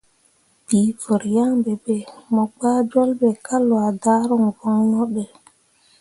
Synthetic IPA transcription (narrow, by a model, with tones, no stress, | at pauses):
bi˨vo˨ɾja˦ŋbe˨be˨mɔ˨ɡ͡baː˦d͡ʒɔ˦lbe˨ka˦lwa˨daː˦ɾɔ˦˨ŋvɔ˦ŋnɔ˦ɗɛ˨